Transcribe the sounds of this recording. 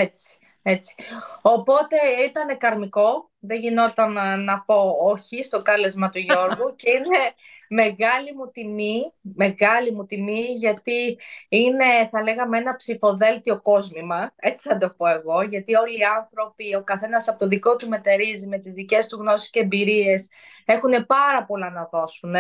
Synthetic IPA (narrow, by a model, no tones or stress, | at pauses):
e̞t͡si̥ | e̞t͡si̥o̞po̞t̪e̞it̪ɐne̞kɐɾmiko̞ | ðe̞ʝino̞t̪ɐnːɐpo̞oçist̪o̞kɐle̞zmɐt̪uʝo̞ɾɣuce̞ine̞ | me̞ɣɐlimut̪imime̞ɣɐlimut̪imiʝɐt̪iine̞θɐle̞ɣɐmee̞nɐpsifo̞ðe̞lt̪io̞ko̞zmimɐe̞t͡si̥θɐd̪o̞po̞e̞ɣo̞ʝɐt̪io̞liːɐnθɾo̞pio̞kɐθe̞nɐsɐpot̪oðiko̞t̪ume̞t̪e̞ɾizime̞t̪izðice̞st̪uɣno̞si̥sceːmbiɾie̞s | e̞xune̞pɐɾɐpo̞lɐnɐðo̞sune